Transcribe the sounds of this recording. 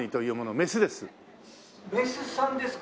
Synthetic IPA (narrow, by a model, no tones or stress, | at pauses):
ɲʲit̪o̞jɯ̟ːmo̞nome̞sɨd̪e̞sɨ | mesɨsãnd̪es